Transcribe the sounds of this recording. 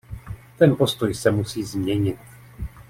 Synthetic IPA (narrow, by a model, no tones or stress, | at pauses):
t̪ɛnpo̞st̪o̞jsɛmusiːzmɲɛɲɪt̪̚